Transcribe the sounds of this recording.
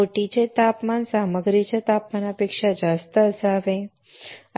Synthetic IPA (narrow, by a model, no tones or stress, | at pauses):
oʈit͡ɕet̪apmansaməɡɾit͡ɕet̪apmanapekʂad͡ʒast̪əəsaʋe